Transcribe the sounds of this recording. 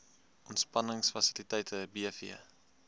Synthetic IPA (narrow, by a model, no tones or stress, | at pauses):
ʔɔntspɐnəŋsfɐsilitɛjtʰəbiəfiə